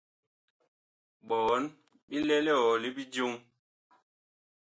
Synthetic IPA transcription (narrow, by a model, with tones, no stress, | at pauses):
ɓɔ˨˦n | ɓi˦lɛ˦lɛ˦ɔ˨li˦bi˦d͡ʒu˦ŋ